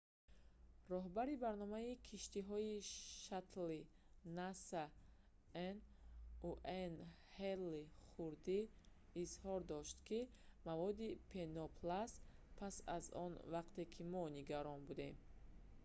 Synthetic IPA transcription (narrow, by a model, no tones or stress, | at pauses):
rɔɦbaɾibaɾnɔmaikʰiʃt̪iɦɔiʃat̪linasa | enuʔen | helːiχuɾd̪iːzhɔɾd̪ɔʃt̪kʰi | mavɔd̪ipʰenɔpʰlaspʰasa̰zɔ̰nvaqt̪e̞kʰimɔniɡaɾɔnbud̪e̞m